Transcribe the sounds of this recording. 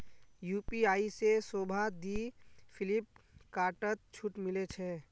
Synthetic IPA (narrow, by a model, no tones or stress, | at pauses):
juːpiaːisesoːbʱad̪iːfʰɪlɪp̚kaːʈət̪̚t͡ʃʰʊʈmɪlet͡ʃʰɛː